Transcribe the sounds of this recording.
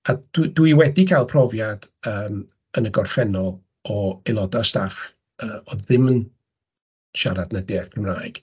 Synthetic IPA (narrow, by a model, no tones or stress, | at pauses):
ad̥wdwiwɛdikʰalˠpʰrɔvjad̥əːm | ənəɡɔrfɛnɔlˠ | ɔelˠɔdastaf | əːɔðɪmən | ʃaɾadnədeːθkʰrɪmraːjɡ̥